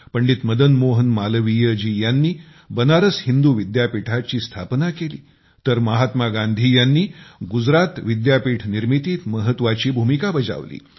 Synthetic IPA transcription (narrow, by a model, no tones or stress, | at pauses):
pəɳɖiːt̪məd̪ənmoɦənmalʋijəd͡ʑiːjanːiː | bənaɾəshind̪uʋid̪japiʈʰat͡ɕiːst̪ʰapnakelḭː | t̪əɾməɦat̪maɡand̪ʱiːjanːiːɡud͡zɾat̪ʋid̪japiːʈʰniɾmit̪iːt̪məɦət̪ʋat͡ɕiːbʱumikabəd͡za̰ʋlḭː